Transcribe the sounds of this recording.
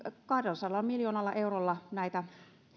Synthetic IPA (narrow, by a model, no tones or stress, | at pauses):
kɑhdelsɑlːɑmmiljoːnɑlːɑʔeurolːɑnæit̪æ